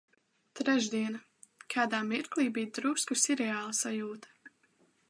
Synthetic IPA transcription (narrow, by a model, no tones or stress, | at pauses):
t̪ɾɛʒd̪iɛna | kʰaːd̪aːmiɾkliːbiːd̪ɾuskusiɾɛaːlˠsajuːt̪ḁ